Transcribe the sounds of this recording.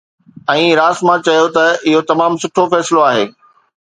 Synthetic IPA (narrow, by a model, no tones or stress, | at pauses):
ɛ̃ːɾaːsmãt͡ɕɐjot̪ɐɪɦot̪ɐmaːmsʊʈʰofɛːsɪloaːɦeː